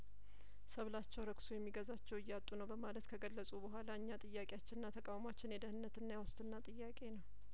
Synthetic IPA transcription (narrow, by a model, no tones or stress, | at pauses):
səβlat͡ʃːɛwɾəksujɛmːiɡəzat͡ʃːɛwɨjːat̪ʼːunəwbəmalət̪kʰəɡəlːəsʼubəɦʷalaɨɲːat̪ʼɨjːakʼejat͡ʃːɪnnːat̪ʰəkʼawmat͡ʃːɪnjɛd̪əhɨnːət̪ɨnːajawɔst̪ʼɨnːat̪ʼɨjːakʼe̞nəw